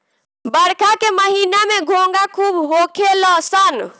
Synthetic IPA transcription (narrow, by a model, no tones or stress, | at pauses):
bəɽkʰakeməɦinameɡʱoŋɡakʰubɦokʰeləsən